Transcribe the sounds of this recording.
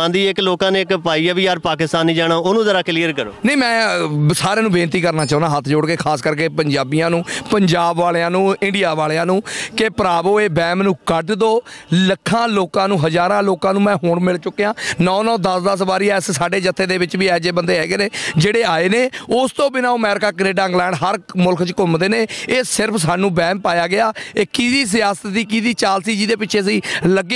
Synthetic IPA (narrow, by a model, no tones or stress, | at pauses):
ãːnd̪iːɪkloːkãːneːɪkpaːiːaːʋiːjaːɾpaːkɪst̪aːnːĩːd͡ʒaːɽ̃aːoːnũːzəɾaːkliːəɾkəɾo̰ːnəimɛ̃ːsaːɾẽːnũːbeːnt̪iːkəɾnaːt͡ʃaːũnd̪aːɦət̪ʰːd͡ʒʊɽkeːkʰaːskəɾk̬eːpəɲd͡ʒaːbijãːnũːpəɲd͡ʒaːbʋaːleːãːnũːɪ̃ɳɖijaːʋaːleːãːnũːkepəɾaːboːeːbɛ̃ːmnũːkəʈd̪oːləkʰːãːloːkãːnũːɦəzaːɾãːloːkãːnũːmɛ̃ːɦoːɳmɪlt͡ʃʊkːeːãːnɔːnɔ̃ːd̪əsd̪əs̬baːɾiːɛːssaːɖeːd͡ʒət̪ʰːeːd̪eːbɪt͡ʃʋiːɛːd͡ʒeːbənd̪eːɦɛːɡeːneːd͡ʒeːɽeːaːeːneːʊst̪õːbɪnaːoːəmɛːɾɪkaːkəneːɖaːɪ̃ŋɡlɛ̃ːɳɖɦəɾmʊlkʰt͡ʃkʊmd̪eːneːeːsɪɾpʰs̬aːnũːbɛ̃ːmpaːjaːɡɪaːeːkiːd̪iːs̬ɪjaːsət̪ːiːk̬iːd̪iːt͡ʃaːlsiːd͡ʒiːd̪eːpɪtːt͡ʃʰeːs̬iːləɡːeː